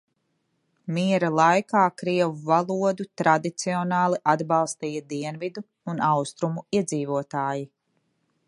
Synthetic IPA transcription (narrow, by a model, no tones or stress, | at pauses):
miɛɾalˠajkaːkɾiɛvuvalˠuɔd̪ut̪ɾad̪it̪siɔnɑːlˠiʔad̪bɑlˠst̪iːjɐd̪iɛnvid̪uːnawst̪ɾumuiɛd̪ziːvuɔt̪aːji